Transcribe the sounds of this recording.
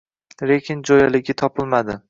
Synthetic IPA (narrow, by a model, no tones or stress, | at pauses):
ɾekʲʰɪnd͡ʒɒjalɪɡʲɪt̪ʰɒpɪlˠmad̪ɪ